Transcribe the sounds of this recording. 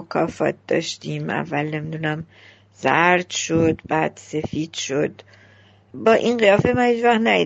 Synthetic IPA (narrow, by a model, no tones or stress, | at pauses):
kʰɒːfɒ̰ːt̪̚d̪̥ɒ̰ːʃt̪iːmʔæ̰vːælne̞mid̪unæm | z̥æɾd̪ʃod̪bæːd̪̥se̞fiːd̪̥ʃod̪ | bɒːʔinɢijɒːfemænhiːd͡ʒvæχt̪næji